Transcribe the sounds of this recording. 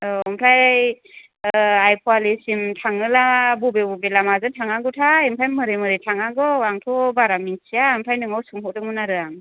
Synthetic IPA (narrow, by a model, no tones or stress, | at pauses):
ɔmpʰlajj | ajpʰɔalisimtʰaŋɯlabubebubelamazɯtʰaŋaŋɡɯtʰaimpʰajmɯɾɯmɯɾɯjtʰaŋaŋɡɯaŋtʰɔbaɾaminsiaimpʰajnɯŋawsuŋɦɔk̚dɯŋmɯnaɾɯaŋ